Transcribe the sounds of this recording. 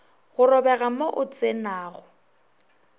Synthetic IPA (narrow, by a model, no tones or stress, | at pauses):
ɣʊrɔbɛɣamoʔʊt͡sʼenaːɣʊ